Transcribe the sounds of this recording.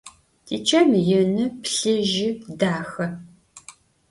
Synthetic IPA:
tʰiːt͡ʃʰɐmjɛnɨpɬɨʒɪdaːxɐ

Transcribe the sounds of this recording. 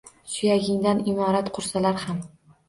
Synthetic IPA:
ʃʊjaɡʲɪŋd̪anɪmɒɾat̪qʰʊɾsalaɾham

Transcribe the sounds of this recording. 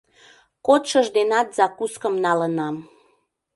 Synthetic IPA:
kot̪ʃəʒd̪enɑt̪zɑkuskəmnɑlənɑm

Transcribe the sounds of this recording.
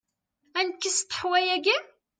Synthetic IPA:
ænkːist̪ə̥ħwæjæɡi

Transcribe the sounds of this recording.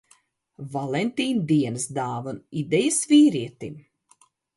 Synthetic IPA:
valˠent̪iːnd̪iɛnɨsd̪aːvunid̪ɛjəsviːɾiɛt̪im

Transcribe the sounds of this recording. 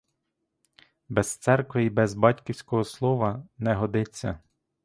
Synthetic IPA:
bɛst̪sɛrkʋɪibɛzbɑtʲkʲiwsʲkɔɦɔslˠɔʋɐnɛɦɔd̪ɪt͡sʲːɐ

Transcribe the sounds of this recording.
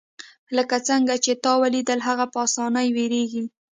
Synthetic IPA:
ləkat͡səŋɡat͡ʃet̪ɑwalid̪əlɦaɣapɑsɑnajweɾeɡi

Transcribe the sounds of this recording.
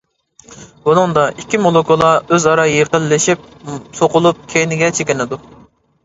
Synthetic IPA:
wunɨŋd̪ɑʔikʲʰːimolˠokʰolˠɑøzɑɾɑjeqəlːɪʃip̚soqʊlˠup̚kʲʰejnɪɡʲɛt͡ʃʰekʲɪnɪd̪u

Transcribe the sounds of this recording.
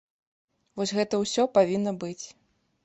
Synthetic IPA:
vɔsʲɣɛt̪ɐwsʲɔpavʲinːɐbɨt͡sʲ

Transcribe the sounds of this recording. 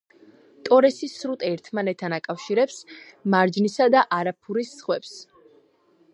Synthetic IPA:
t̪ʼɔɾɛsisɾut̪ʼɛɾt̪ʰmanɛt̪ʰːanakʼafʃiɾɛpsmaɾd͡ʒnisad̪aʔaɾapʰuɾisːχwɛps

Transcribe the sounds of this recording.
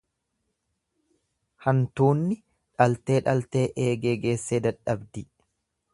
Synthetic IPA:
hɐnt̪uːnːɪ | ᶑɐlt̪e̞ːᶑɐlt̪e̞ːʔeːɡe̞ːɡe̞ːsːeːd̪ɐᶑɐbd̪ɪ

